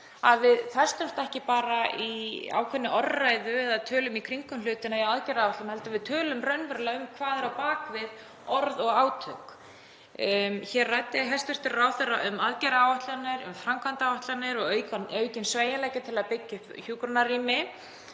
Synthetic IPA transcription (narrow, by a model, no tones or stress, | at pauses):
aðvɪðθɛ̥st̪ʏm̥t̪ɛhcɪpaːɾaia̰ːwkʰɛnːɪʔɔrːajðʏɛðaðt̪ʰœːlʏmikʰɾiŋkʏmlʏːt̪ɪnaiawaðcɛɾawaht̪ʏmhɛlt̪avɪðt̪ʰœːlʏmrœɥnvœɾlaʏmkʰvaːðɛɾawpaːkvɪð | ɔɾðɔɣaːwt̪ʰʏk | çɛrːajt̪ɪɦɛst̪ʏr̥t̪ɪrraːwθɛrːaʔʏmaðcɛɾaaːwvaht̪lanɪɾʏ̰mfɾamkʰant̪awvaht̪lanɪɾɔɣœɥkaœːɥcɪnsveːjalɛːjcat̪ʰɪlaðpɪcːʏhpçuːkɾanariːmɪ